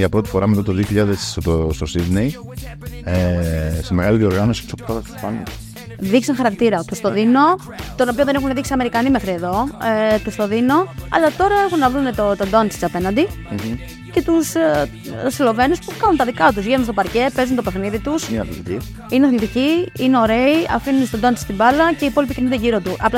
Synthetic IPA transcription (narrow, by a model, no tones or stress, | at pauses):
ʝɐpɾo̞t̪ifo̞ɾɐmet̪at̪oðioçiʎɐðesost̪o̞siðnej | eseme̞ɣaliðio̞ɾɣano̞si̥t̪usokt̪ɐt̪ɐt̪u̥pɐno | ðikseŋxɐɾɐkt̪iɾɐt̪ust̪oðino̞ | t̪onopioðenexuneðiksiɐme̞ɾikɐnime̞xɾie̞ðo̞et̪ust̪oðino̞ɐ̰lɐt̪o̞ɾɐe̞xunːɐðunet̪ot̪od̪ont͡si̥t͡sɐpe̞nɐnd̪i | ce̞t̪us | silo̞ve̞nuspukɐnunt̪ɐðikɐt̪uzʝenunst̪o̞pɐɾce̞pe̞zunt̪ope̞xniðit̪usmḭɐ̰θilt̪i | ineɐθilt̪iciineo̞ɾe̞iɐ̰finunst̪od̪ont͡sist̪ibɐlɐce̞ipo̞lipicenund̪eʝiɾo̞t̪uʔɐpl